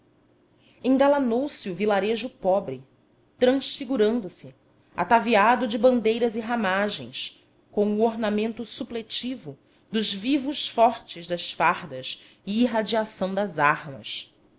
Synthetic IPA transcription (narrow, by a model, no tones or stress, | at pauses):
ẽŋɡalanowsɪuvilaɾeʒʊpɔbɾɪ | t̪ɾɐ̃sfiɡuɾɐ̃nd̪ʊsɪ | a̰t̪aviad̪ʊd͡ʒɪbɐ̃nd̪ejɾɐziɦamaʒẽj̃s | kõw̃ʊoɾnamẽnt̪ʊsuplet͡ʃivʊ | d̪ʊʒvivʊʃfɔɾt͡ʃɪzd̪ɐʃfaɾd̪ɐʃ | iiɦad͡ʒiasɐ̃w̃d̪ɐzaɾmɐ̰s